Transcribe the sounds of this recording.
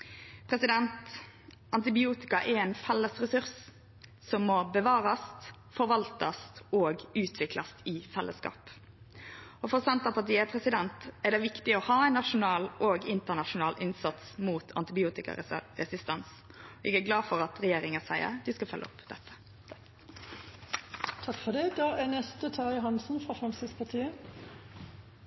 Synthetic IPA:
pʰɾɛsɪd̪ɛnt̪ | ɑnt̪ɪbɪuːt̪ɪkɑʔɛɾɛɪnfɛlːəsʁɛsʉɾs | sɔmːɔbəʋɑːɾɑst̪ | fɔɾʋɑlt̪ɑst̪oːɡʉːt̪ʰʋɪklɑst̪ɪfɛlːʔəskɑ̰ːp | ɔfɔʁsɛnt̪ɑpʰɑʁt̪iːəpʰɾɛsɪd̪ɛnt̪æɖ̪ɛʋɪkt̪ɪɔhɑːæɪnːɑʃʊnɑːloːɡɪnt̪əʁnɑʃʊnɑːlʔɪnsɑt̪smuːt̪ʰɑ̰nt̪ɪbɪuːt̪ɪkɑ̰ɾɛsɪst̪ɛns | ɔʔɛ̰ɡæɡlɑːfɔʁɑt̪ʁɛjeːɾɪŋəsæɪə̰ɾd̪ɪskɑfœ̰lʔə̰ɔ̰pd̪̥ɛt̪ːə̥ | t̪ʰɑkfɔd̪ɛd̪ɑːʔænɛst̪ət̪ʰɑːɾjʊɦɑnsn̩fʁɑfʁɑmsɪspʰɑt̪ʰiːə

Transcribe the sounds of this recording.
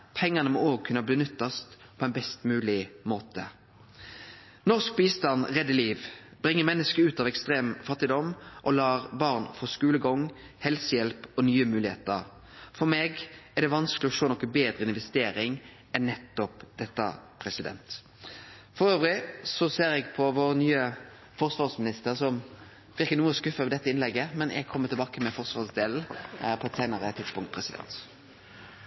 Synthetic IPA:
pʰɛŋːənəmɔoːɡ̚kʰʉnəbliːnʉt̪ːɑst̪ | pʰɔɛnbɛst̪mʉːlɪmoːt̪ə | nɔʁsk̚biːst̪ɑnʁɛd̪ːəliːʋb̥ʁɪŋːəmɛnːəskəʉːt̪ɑʋɛkst̪ʁeːmfɑt̪ːɪd̪ɔmʔɔlɑːʁbɑʁnfɔʁskʉːləɡɔŋ | hɛlsəjɛlpɔnyːəmʉːlɪhḛːt̪əʁ | fɔʁmeːɡɛʁd̪ɛʋɑnsklɪɔʂoːnɔkːəbeːd̪ɾəɪnʋɛst̪eːɾɪŋ | ɛnːɛt̪ːɔpd̪̥ɛt̪ːɑ̰pʰɾɛsɪd̪ɛ̰nt̪ | fɔɾøːʋɾɪsɔseːɾɛɡpʰɔʋoːɾnyːə | fɔʁsʋɑːʁsmɪnɪst̪əʁsɔm | ʋɪɾkːənuːəskʉfəʋd̪ɛt̪ːəɪnlɛɡːəmɛnʔɛ̰ɡkʰɔmːət̪ʰɪlbɑːkəmɛfɔʁsʋɑʁsd̪eːln̩pʰɔɛt̪sæɪnəʁət̪ʰɪt̪spʊŋkt̪̚pʰɾɛsɪd̪ɛ̰nt̪

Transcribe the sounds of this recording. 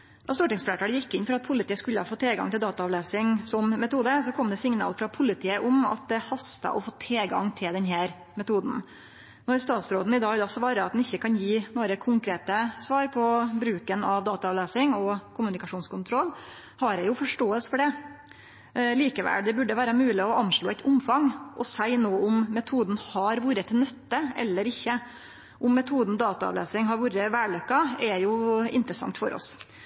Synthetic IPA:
d̪ɑːst̪uːʈɪŋsfleːʈɑːjɪkːɪnːfɔɾɑt̪̚pʰʊlɪt̪ʰiːəskʉlːəhɑfoːt̪ʰeːlɡɑ̰ŋt̪ɪld̪ɑːt̪ɑɑʋleːsɪŋsɔmmɛt̪uːd̪əsɔkʰɔmd̪ɛsɪŋnɑ̰ːlfɾɑpʰʊlɪt̪ʰiːəʔʊmɑ̰t̪̚d̪ɛhɑst̪ɑ̰ʔɔfoːt̪ʰeːɡɑ̰ŋt̪ʰɪld̪ɛnɦæːɾ | mɛt̪ʰuːd̪n̩ | nɔɾst̪ɑːt̪sɾoːd̪n̩ɪd̪ɑːɡd̪ɑsʋɑːɾəɑt̪d̪nɪçːəkʰɑnjiːnuːəɾəkʰʊŋkɾeːt̪əsʋɑːɾpʰɔbɾʉːkənɑʋd̪ɑːt̪ɑɑʋleːsɪŋɔkʰʊmʉnɪkɑʂuːnskʊnt̪ʰɾɔlː | hɑɾæjʊfɔʂʈoːəlsfɔɖɛ | liːkəʋæ̰ld̪ɛbʉɖːəʋæːɾəmʉːlɪɔʔɑnʂɭoːɛɪt̪ʊmfɑŋʔɔsæɪnoːʊmmɛt̪ʰuːd̪n̩hɑɾʋuːɾət̪ʰɪnœt̪ːəʔɛ̰lːəɾɪçːə | ʔʊmːɛt̪ʰuːd̪n̩d̪ɑːt̪ɑɑ̰ʋlḛːsɪŋɦɑɾʋuːɾəʋæːɭøkːɑɛjʊɪ̰nt̪ɾəsɑ̰ŋt̪fɔ̰ɾʔɔ̰s

